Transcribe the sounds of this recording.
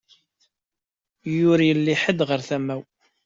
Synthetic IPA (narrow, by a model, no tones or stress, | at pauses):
jʊɾjəlːiħəd̪ʁəɾθæmæw